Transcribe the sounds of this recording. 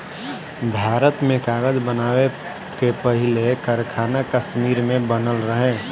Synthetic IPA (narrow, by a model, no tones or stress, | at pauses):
bʱaːɾət̪mẽkaːɡəd͡ʒbənaːwe | kepəɦɪlekəɾkʰaːnakəsmiːɾmẽbənəlɾəɦẽː